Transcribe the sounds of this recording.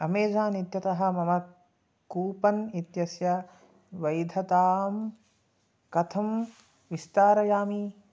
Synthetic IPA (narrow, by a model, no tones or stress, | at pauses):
ɐmeːd͡ʒaːnit̪jɐt̪ɐɦɐ̆mɐmɐ | kuːpɐnit̪jɐsjɐ | ʋɐjd̪ʱɐt̪aːm | kɐt̪ʰɐm | ʋist̪aːɾɐjaːmi